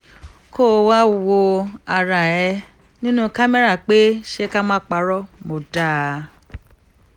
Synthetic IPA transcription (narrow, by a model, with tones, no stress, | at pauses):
ko˦˨˧wa˦wo˧a˨ɾa˨ɛ˧ | nĩ˦nũ˦ka˦mɛ˦ɾa˦˨k͡pe˦ʃe˦ka˦mãː˦k͡pa˧ɾɔ˦mo˨da˦˨˧